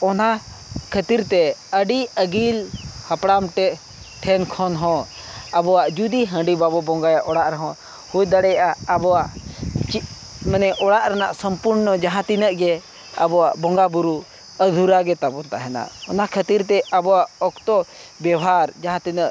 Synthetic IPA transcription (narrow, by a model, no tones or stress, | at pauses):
ɔna | kʰət̪iɾt̪ɛəɖiəɡilhapɽamʈɛʔ | ʈʰɛnkʰɔnɦɔ̃ | abɔwaʔd͡ʒud̪iɦə̃ɖibabɔbɔŋɡajaʔɔɽaʔɾɛɦɔ̃ | hujd̪əɽɛjʔaːbɔwaʔt͡ʃi | mənɛʔɔɽaʔɾana̰ʔsəmpuɾnɔd͡ʒaɦãt̪inəʔɡɛ | a̰bɔwaʔbɔŋɡabuɾu | əd̪ʱuɾaɡɛt̪abɔnt̪aʔɦɛna̰ɔnakʰət̪iɾt̪ɛʔabɔwaʔɔkt̪ɔ | bjɛbʱaɾd͡ʒaɦãt̪inəʔ